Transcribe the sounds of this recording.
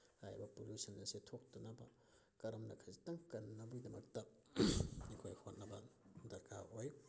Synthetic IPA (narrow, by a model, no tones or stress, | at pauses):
hajbɐpoljusɐnːɐsetʰok̚tɐnɐbɐ | kɐɾɐmnɐkʰɐzitɐŋkɐnːɐbujdɐmɐk̚tɐ | nikʰojhʰot̚nɐbɐdɐɾkʰaoj